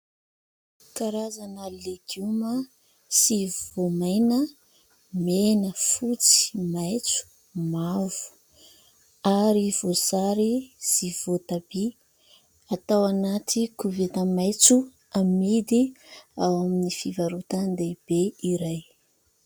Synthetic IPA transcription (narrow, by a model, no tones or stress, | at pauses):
kaɾazanaleɡumə | sivvomajnə | menəfut͡si̥majt͡su̥ | mavu̥ | aɾiv̥ozaɾiz̥ivot̪ab̥i | at̪awanat̪ʰikuvet̪əmajt͡su | amid̪iawaminifivaɾut̪and̪eb̥eiɾaj